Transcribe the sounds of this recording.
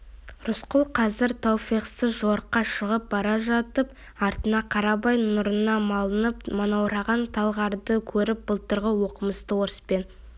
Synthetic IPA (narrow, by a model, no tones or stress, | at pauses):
ɾʊsqʊlˠqʰɑzɪɾt̪ʰɑwpijqsəzʒoɾqːɑʃəʁəp̚bɑɾɑʒɑt̪əp̚ | ɑɾt̪ənɑqʰɑɾɑbɑjnʊɾənɑmɑlˠənəpmonɑwɾɑʁɑnt̪ʰɑlˠʁɑɾd̪əkʲʰɵɾɪp̚b̥əlˠt̪əɾʁəwo̞qəməst̪əwo̞ɾəspe̞n